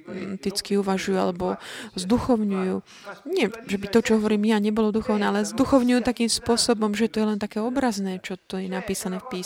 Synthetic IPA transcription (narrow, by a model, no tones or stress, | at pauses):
t̪it͡skiuʋaʒujua̰lɛbɔzd̪uxɔʊɲujuː | ɲɪɛʒɛbit̪ɔt͡ʃɔɦɔʋɔɾiːmjaɲɛbɔlɔd̪uxɔʊnɛːalɛzd̪uxɔʊɲujuːt̪akiːmspʊɔsɔbɔmʒɛt̪ɔjɛlɛnt̪akɛːɔbɾaznɛːt͡ʃɔt̪ɔjɛnapiːsanɛːfpiːs